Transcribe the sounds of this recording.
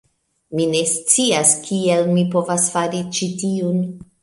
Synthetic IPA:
mine̞st͡siaskʰielmipo̞vasfaɾit͡ʃitiun

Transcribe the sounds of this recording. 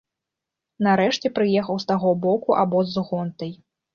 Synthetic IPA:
naɾɛʂt͡sʲɛpɾɨjɛxɐwst̪aɣɔbɔkuʔabɔzɣɔnt̪ɐj

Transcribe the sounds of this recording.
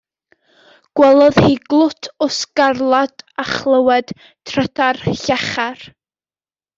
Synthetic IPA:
ɡ̥wɛlˠɔðhiːɡlˠʊtʰʊsɡarlˠadaχlˠəwɛd̥ | tʰrətʰarɬaχar

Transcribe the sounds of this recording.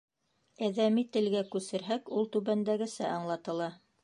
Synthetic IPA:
æðæmit̪ɘ̆lɡækʉsɘ̆ɾɦækulˠt̪ʉβænd̪æɡɘ̆sæʔɑɴlˠɑt̪ɤ̆lˠɑ

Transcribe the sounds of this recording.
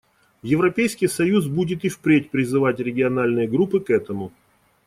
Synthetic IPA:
jɪvɾɐpʲejskʲɪjsɐjusbudʲɪt̪ɨfpɾʲetʲpɾʲɪzɨvatʲɾʲɪɡʲɪɐnalʲnɨjəɡɾupːɨkɛt̪əmʊ

